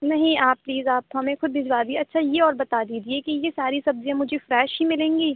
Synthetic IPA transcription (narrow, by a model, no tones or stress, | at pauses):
nɐɦĩaːp̚ːliːzaːpɦɐmẽxʊd̪ːɪzwaːd̪ieɐtːʃʰajeɔːɾbɐt̪aːd̪iːd͡ʒiekijesaːɾisɐbzijãmʊd͡ʒʱefɾɛːʃɦimɪlẽːŋɡiː